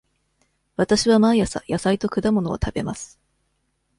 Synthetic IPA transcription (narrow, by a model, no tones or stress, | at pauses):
βat̪aɕiβamajasa̰jasait̪o̞kɯ̟d̪amo̞no̞o̰t̪ʰabe̞masɨ̥